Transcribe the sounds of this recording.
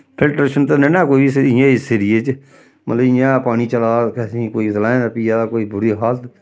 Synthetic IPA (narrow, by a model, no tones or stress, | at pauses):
pʰɪlʈɾeːʃənt̪enɛːnaːkoːibisijãːɪseɾijeːt͡ʃ | mə̰ləbɪ̃jãːpaːniːt͡ʃəlaːkɛːsĩːkoːiːslaːẽnːpiːaːd̪akoːiːbʊɾiːɦaːt̪